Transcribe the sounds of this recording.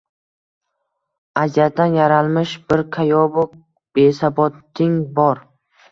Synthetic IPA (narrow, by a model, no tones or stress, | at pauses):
ad͡ʒat̪̚d̪anjaɾalˠmɪʃbɪɾqʰajɒbʊk̚ | b̥esabɒt̪ːɪŋbɒɾ